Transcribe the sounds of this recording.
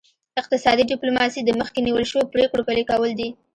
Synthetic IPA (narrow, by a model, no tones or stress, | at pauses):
ɪq̚t̪ɪsɑd̪iɖɪplomɑsid̪əməxkeniwəlʃəwopɾekɽopalikawəld̪i